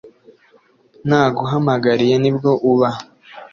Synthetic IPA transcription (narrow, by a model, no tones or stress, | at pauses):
naːɡuɦamaɡaɾije̞nib̚ɡo̞ʔuβa